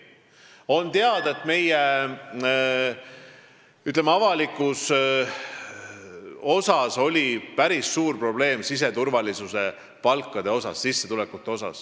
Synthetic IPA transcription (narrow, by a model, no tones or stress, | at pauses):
o̞nt̪eɑd̪̥ɑet̪me̞je | yt̪ˑlemɑɑvɑlikːˑus | o̞sɑso̞lʲipæɾisːuːrpro̞b̥le̞ːmsis̬e̞t̪urvɑlisuse̞ | pɑlkːˑɑd̪e̞o̞sɑ̰sːisːe̞t̪ulekːut̪ːˑe̞o̞sɑ̰s